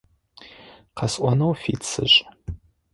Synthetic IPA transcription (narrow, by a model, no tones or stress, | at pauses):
qʰɐsʔʷɔnowfḭt͡sʰɨɕʼ